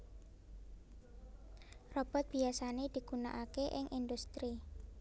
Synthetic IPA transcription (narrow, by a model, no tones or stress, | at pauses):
rɔb̥ɔ̤t̪̚b̥iasaned̪̥i̤ɡ̥unaʔakeʔɪŋʔind̪ust̪ɾi